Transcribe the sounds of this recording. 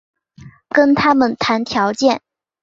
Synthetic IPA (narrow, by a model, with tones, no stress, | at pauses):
kə˥nt̪ʰa˥mə˨nt̪ʰa˧˥nt̪ʰjɑ˧˥ʊt͡ɕjɛ˥˩n